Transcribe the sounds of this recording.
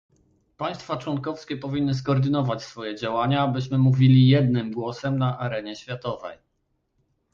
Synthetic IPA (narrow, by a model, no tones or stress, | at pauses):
paj̃st̪fat͡ʂwɔŋkɔfskʲɛpɔvʲinːɘs̬kɔːɾd̪ɘnɔvat͡ɕsfɔjɛd͡ʑawaɲaːbɘɕmɘmuvʲilʲijɛd̪nɘmɡwɔsɛmnaʔaɾɛɲɛɕfʲjat̪ɔvɛ̰j